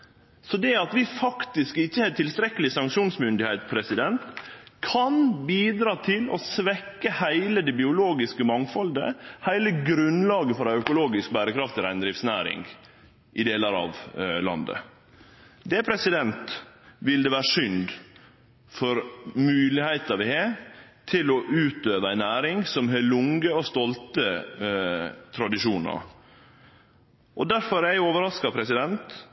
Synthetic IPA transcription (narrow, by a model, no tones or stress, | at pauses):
sɔd̪ɛɑt̪ʋɪfɑkt̪ɪskɪçːəhɛt̪ʰɪlst̪ɾɛkːəlɪsɑŋkʂuːnsmʏnd̪ɪhɛɪt̪pʰɾɛsɪd̪ɛnt̪kʰɑnbiːd̪ɾɑːt̪ʰɪlɔsʋɛkːəhæɪləd̪ɛbɪʊloːɡɪskəmɑŋfɔld̪ə̰hæɪləɡɾʉnlɑːɡəfɔɾæœkʊloːɡɪsk̚bæːɾəkʰɾɑft̪ʰɪlæɪnd̪ɾɪfsnæ̰ːɾɪ̰ŋɡ | ʔɪd̪eːləɾɑ̰ʋlɑ̰nd̪ə̰ | d̪ɛpʰɾɛsɪd̪ɛnt̪ʋɪld̪ɛʋæːɾəʂʏnd̪ | fɔɾmʉːlɪhæɪt̪ɑɾʋɪhe | t̪ʰɪlɔʔʉːt̪øːʋəæɪnæːɾɪŋsɔmɦelʊŋɡəɔst̪ɔlt̪ə | t̪ʰɾɑd̪ɪʃuːnɑ̰ɾ | ʔɔd̪æɾfɔɾæɪoːʋəɾɑskɑpʰɾɛsɪd̪ɛnt̪